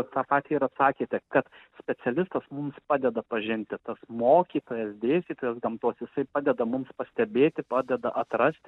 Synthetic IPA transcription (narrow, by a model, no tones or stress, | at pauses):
t̪ɑːpɑːt̪ʲiːiɾɐt̪sɑːkʲeːt̪ʲɛkɐt̪sʲpʲɛt͡s̪ʲɛlʲɪst̪ɐsmʊmspɑːd̪ʲɛd̪ɐpɐʒʲɪnʲt̪ʲɪt̪ɐsmoːkʲiːt̪oːjɛsd̪ʲeːsʲt̪ʲiːt̪oːjɛsɡɐmt̪uːsjɪsɐɪpɑːd̪ʲɛd̪ɐmʊmspɐsʲt̪ʲɛbʲeːt̪ʲɪpɑːd̪ʲɛd̪ɐʔɐt̪rɐsʲt̪ʲɪ